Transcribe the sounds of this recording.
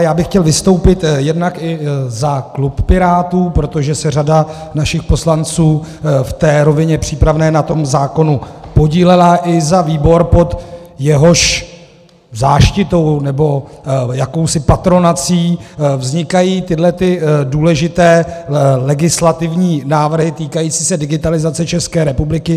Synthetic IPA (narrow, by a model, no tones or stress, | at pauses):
jaːbɪxcɛlvɪst̪o̞wpɪt̪jɛdnakɪzakluppɪɾaːt̪uːpɾo̞t̪oʒɛsɛr̝adanaʃɪxpo̞slant͡suːft̪ɛːɾo̞vɪɲɛpr̝̥iːpɾavnɛːnat̪o̞mzaːko̞nupo̞ɟiːlɛlaʔɪzaviːbo̞ɾpo̞t̪jɛɦo̞ʃ | zaːʃcɪt̪o̞wnɛbo̞jako̞wsɪpat̪ɾo̞nat͡siːvzɲɪkajiːt̪ɪdlɛt̪ɪduːlɛʒɪt̪ɛːlɛɡɪslat̪ɪvɲiːnaːvr̩ɦɪt̪iːkajiːt͡si̥ːsɛdɪɡɪt̪alɪzat͡sɛt͡ʃɛskɛːɾɛpublɪkɪ